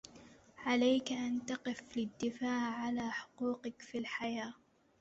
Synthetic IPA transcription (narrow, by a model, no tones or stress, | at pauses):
ʕalajkʔant̪ɑqɨflɪd̪ːɪfaːʕːalaːħʊ̥quːqɪkfilħajaː